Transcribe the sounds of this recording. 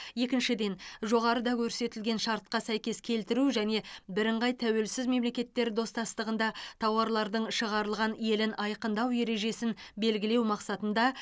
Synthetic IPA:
je̞kʲɪnʃɪd̪e̞nʒo̞ʁɑɾəd̪ɑkʲʰɵɾse̞t̪ɪlɡʲe̞nʃɑɾt̪̚qɑsæjkʲe̞skʲʰe̞lt̪ɪɾuʒæne̞bɪɾɪɴʁɑjt̪ʰæwe̞lsɪzme̞mle̞kʲe̞t̪ːe̞ɾd̪o̞st̪ɑst̪əʁənd̪ɑt̪ʰɑwɑɾlˠɑɾd̪əɴʃəʁɑɾəlˠʁɑnje̞lɪnʔɑjqənd̪ɑwje̞ɾe̞ʒe̞sɪnbe̞lɡʲɪle̞wmɑqsɑt̪ənd̪ɑ

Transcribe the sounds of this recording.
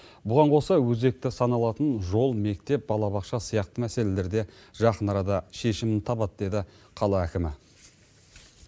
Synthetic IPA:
bʊʁɑɴqʰo̞sɑwɵze̞k̚t̪ɪsɑnɑlˠɑt̪ənʒo̞lˠme̞k̚t̪e̞p̚bɑlˠɑβɑqʃɑsəjɑqt̪əmæse̞le̞le̞ɾd̪e̞ʒɑqənɑɾɑd̪ɑʃe̞ʃɪmɪnt̪ʰɑbɑt̪̚d̪e̞d̪ɪ | qʰɑlˠɑækʲɪmɪ

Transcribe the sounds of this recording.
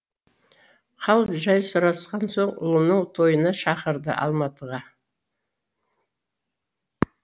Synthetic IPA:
qʰɑlˠʒɑjsʊɾɑsqɑnsoɴʊ̰lˠənəŋt̪ʰo̞jənɑʃɑqəɾd̪ə̰ʔɑ̰lˠmɑt̪əʁɑ

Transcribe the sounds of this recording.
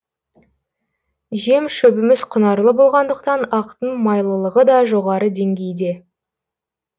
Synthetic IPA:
ʒe̞mʃɵbɪmɪzqʰʊnɑɾlˠəbo̞lˠʁɑnd̪əqt̪ɑnɑqt̪əɴmɑjlˠəlˠəʁəd̪ɑʒo̞ʁɑɾəd̪e̞ŋɡʲe̞jd̪e̞

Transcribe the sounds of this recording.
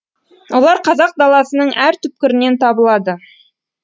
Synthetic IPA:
wo̞lˠɑɾqʰɑzɑq̚d̪ɑlˠɑsənəɴʔæɾt̪ʰʏp̚kʲɪɾɪne̞nt̪ʰɑbəlˠɑd̪ə

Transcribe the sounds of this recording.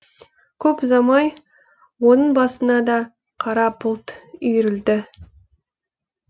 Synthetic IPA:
kʲʰɵpzɑmɑj | wonəɴbɑsənɑd̪ɑ | qʰɑɾɑpʰʊlˠt̪ʏjɾɪld̪ɪ

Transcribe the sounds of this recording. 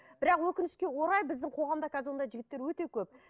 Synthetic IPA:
bɪɾɑqwɵkʲɪnɪʃkʲe̞wo̞ɾɑjbɪzd̪ɪŋqʰo̞ʁɑmd̪ɑkʰʲæzɪɾwond̪ɑjʒɪɡʲɪt̪ːeɾwɵt̪e̞kʲʰɵp̚

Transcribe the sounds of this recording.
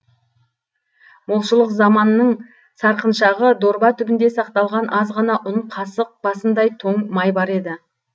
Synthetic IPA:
mʊlˠʃəlˠəqzɑmɑnːəɴ | sɑɾqənʃɑʁəd̪o̞ɾbɑt̪ʰʏbɪnd̪e̞sɑqt̪ɑlˠʁɑnʔɑzʁɑnɑʔʊɴqʰɑsəq̚bɑsənd̪ɑjt̪ʰo̞ɴmɑjbɑɾe̞d̪ɪ

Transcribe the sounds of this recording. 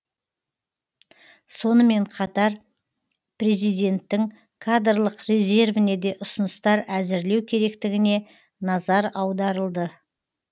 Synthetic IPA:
so̞nəme̞ɴqʰɑt̪ɑɾ | pre̞zijd̪e̞nt̪ːɪŋ | kʰad̪rlˠəqrʲe̞ze̞rvɪne̞d̪e̞ʔʊsənəst̪ɑɾæzɪɾle̞wkʲʰe̞ɾe̞kt̪ɪɡʲɪne̞ | nɑzɑɾɑwd̪ɑɾəlˠd̪ə

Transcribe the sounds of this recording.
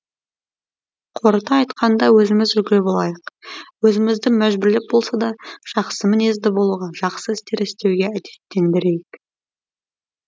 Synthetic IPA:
qʰo̞ɾət̪ɑːjt̪qʰɑnd̪ɑwɵzɪmɪzʒʏlɡʲɪlɪbolˠɑjəqwɵzɪmɪzd̪ɪmæʒbʏɾlep̚bo̞lˠsɑd̪ɑʒ̥ɑqsəmɪne̞zd̪ɪbo̞lˠuʁɑʒ̥ɑqsəɪst̪e̞ɾɪst̪e̞wɡʲe̞æd̪e̞t̪ːe̞nd̪ɪɾejɪk

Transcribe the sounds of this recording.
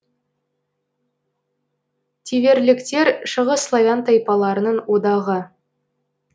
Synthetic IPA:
t̪ʲʰeveɾlɪ̆kt̪e̞ɾʃə̆ʁəsːlˠovʲant̪ɑjpɑlˠɑɾənəɴwod̪ɑʁə

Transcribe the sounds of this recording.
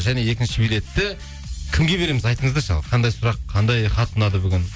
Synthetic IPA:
ʒæne̞je̞kʲɪnʃɪbijlʲe̞t̪ːɪ | kʲʰɪmɡʲe̞be̞ɾe̞mɪzɑjt̪əɴəzd̪ɑʃɑ̰lˠqʰɑnd̪ɑjsʊɾɑqʰɑnd̪ɑjχɑt̪ənɑd̪əbʏɡʲɪn

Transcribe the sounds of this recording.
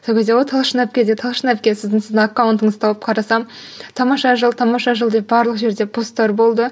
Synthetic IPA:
solkʲezd̪ewolt̪ʰɑlˠʃnæp̚kʲe̞d̪et̪ʰɑlˠʃnæp̚kʲesɪzd̪ɪnsɪzɪnakːawnt̪əɴəzt̪ʰɑwəp̚qʰɑɾɑsɑm | t̪ʰɑmɑʃɑʒəlˠt̪ʰɑmɑʃɑʒəlˠd̪e̞bɑɾlˠəqʒe̞ɾd̪e̞pʰost̪ːɑɾbo̞lˠd̪ə

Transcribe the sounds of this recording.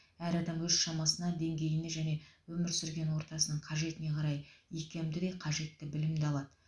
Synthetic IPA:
æɾɑd̪ɑmwɵz̥ʃɑmɑsənɑd̪e̞ŋɡʲe̞jɪne̞ʒæne̞wɵmɪɾsʏɾɡʲe̞nwo̞ɾt̪ɑsənəɴqʰɑʒe̞t̪ɪne̞qʰɑɾɑjikʲemd̪ɪd̪ejqʰɑʒe̞t̪ːɪbɪlɪmd̪eɑlˠɑd̪ə

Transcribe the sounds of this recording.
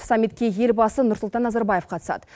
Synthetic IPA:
sɑmʲːit̪̚kʲe̞je̞lbɑsənʊɾslˠt̪ɑnːɑzɑɾbɑje̞fqʰɑt̪ə̥sɑ̰d̪ə

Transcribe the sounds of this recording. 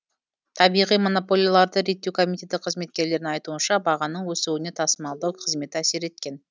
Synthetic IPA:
t̪ʰɑbijʁijmo̞no̞polʲˠijalˠɑɾd̪əɾe̞t̪ːe̞wkʰo̞mit̪ʲe̞t̪ɪqʰəzme̞t̪̚kʲe̞ɾle̞ɾɪŋɑjt̪uənʃɑbɑʁɑnəɴwɵsewɪne̞t̪ʰɑsəmɑlˠd̪ɑwqʰəzme̞t̪ɪæse̞ɾe̞t̪̚kʲe̞n

